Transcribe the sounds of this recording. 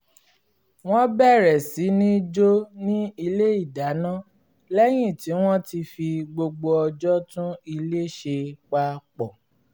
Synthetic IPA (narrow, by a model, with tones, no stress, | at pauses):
w̃ɔ̃˦bɛ˦˨ɾɛ˨si˨˦nĩ˦d͡ʒo˦nĩ˦i˧le˦i˦˨da˨˦nã˦ | lɛ˦j̃ĩ˦˨ti˨˦w̃ɔ̃˦ti˧fi˧ɡ͡bo˧ɡ͡bo˧ɔ˧d͡ʒɔ˦tũ˦i˧le˦˨ʃe˧k͡pa˧k͡pɔ˨